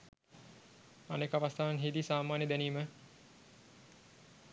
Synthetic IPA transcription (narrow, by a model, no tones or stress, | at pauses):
a̰nekaʋast̪ʰaːʋanɦid̪isaːmaːnjəd̪æniːmə